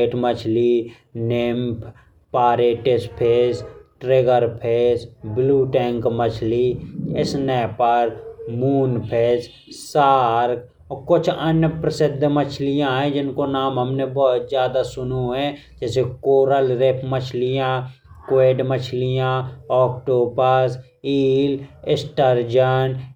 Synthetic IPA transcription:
eːʈmət͡ʃʰli | neːmp | paːɾeːʈespʰeːsʈɾeːɡəɾpʰeːsbluːʈɛ̃ːŋkmət͡ʃʰliɪsnɛːpəɾmuːnpʰeːs | saːɾk | kʊt͡ʃʰənjəpɾəsɪd̪ʱːmət͡ʃʰlijãɦɛ̃d͡ʒɪnkonaːmɦəmnebɔɦʊt̪zjaːd̪asʊnuɦɛ̃ | d͡ʒɛːsekoːɾəlɾepʰmət͡ʃʰlijãː | kweːɖmət͡ʃʰlijãɔːkʈoːbəs | iːlɪsʈəɾd͡ʒən

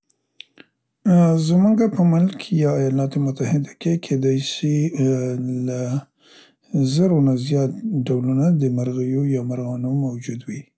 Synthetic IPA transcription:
zmuŋɡapəmʊlkʰjɑːjɑlɑt̪omʊt̪ahɪd̪akekʰed̪ɑjsi | la | zəɾonazjɑt̪̚ɖawlunad̪əmaɾɣəjojɑmaɾɣɑnomawd͡ʒud̪wi

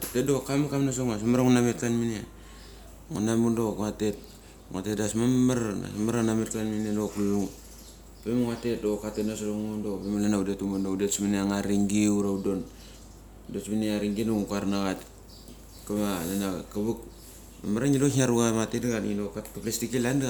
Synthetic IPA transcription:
a̰tedokamakamnas̬oŋas̬amaɾaŋunametkanmine | ŋanamundokatet̚ | ŋa̰tedasmammaɾna̰samaɾanamet̚kanminelokluŋ | pemuŋatet̚dokatetnasoloŋondopemalanaudetumundoudetsmineaŋaɾiŋɡiuɾaudon | desmineaɾiŋɡinoŋukaɾnaɣat | kamalanakabuk | amaɾaŋilohiaɾuɡamatedaɡaŋilokakaplestikelanda

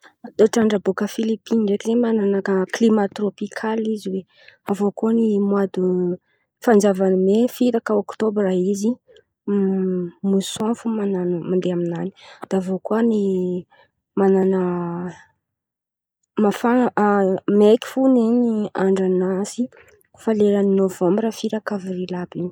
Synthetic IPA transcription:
t̪oʈ͡ʂaɳɖ͡ʐəbukəfilipinɳɖ͡ʐekizemananakəklimat̪ropikʰaliziwe | avokonimwad̪u | fand͡zavanimefiɾakəokt̪obraizi | musofumananmand̪eaminani̥d̪̥aavokuəni | mananə | mafa | meki̥funiniaɳɖ͡ʐanasi | faleɾaninovãmbrəfiɾakavɾilabini̥

